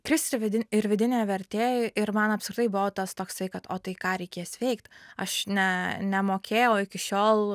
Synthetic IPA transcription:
kɾʲɪsɪɾʋʲɪd̪ʲɪnɪɾʋʲɪd̪ʲɪnʲeːʋʲɛɾʲt̪ʲeːɪɾmɐnɐpskʲɾʲɪt̪ɐɪbʊʋoːt̪ɐst̪oːkst̪ɐɪkɐt̪oːt̪ɐɪkɑːɾʲɛɪkʲeːsʋʲɛɪkt̪ɐʃnʲɛnʲɛmoːkʲeːjɛʊɪkʲɪʃʲoːlˠ

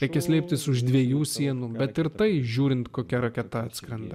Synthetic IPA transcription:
ɾʲɛɪkʲɛsʲlʲɛɪpʲt̪ʲɪsʊʒd̪ʲʋʲiɛjuːsʲiɛnuːbʲɛt̪ɪɾt̪ɐɪʒʲuːɾʲɪnt̪koːkʲɛɾɐkʲɛt̪ɐɐt̪ʲskɾʲɐnd̪ɐ

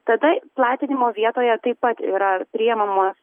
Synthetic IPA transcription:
t̪ɐd̪ɐplˠɑːt̪ʲɪnʲɪmoːʋʲiɛt̪oːjɛt̪ɐɪppɐt̪ḭːɾɐpʲɾʲɪːjɛmɐmoːs

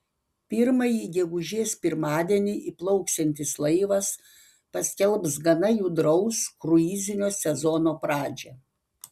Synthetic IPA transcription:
pʲɪɾmɐjiːɡʲɛɡʊʒʲeːspʲɪɾmɑːd̪ʲɛnʲiʔiplˠɐʊksʲɛnʲt̪ʲɪslˠɐɪʋɐs | pɐsʲkʲɛlˠpsɡɐnɐjuːd̪ɾɐʊskɾʊiːzʲɪnʲoːsʲɛzɔnoːpɾɑːd͡ʒʲɛ

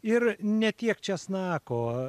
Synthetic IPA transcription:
ɪrnʲɛt̪ʲiɛkt͡ʃʲɛsnɑːkoː

